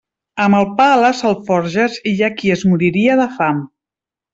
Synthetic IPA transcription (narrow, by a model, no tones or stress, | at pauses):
əməlˠpaləsəlˠfɔɾʒəziʎakiəzmuɾiɾiəðəfam